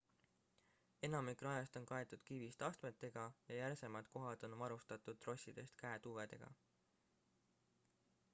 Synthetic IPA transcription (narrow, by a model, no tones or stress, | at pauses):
e̞nɑmikrɑjɑst̪o̞nkɑe̞t̪ːˑud̪̥kivist̪ɑst̪me̞t̪ːˑe̞ɡ̥ɑjɑjærse̞mɑd̪̥ko̞ɦɑd̪̥o̞nvɑɾust̪ɑt̪ːˑud̪̥̚tːro̞sʲːid̪̥e̞st̪kæet̪uːve̞d̪̥e̞̰ɡ̥ɑ̰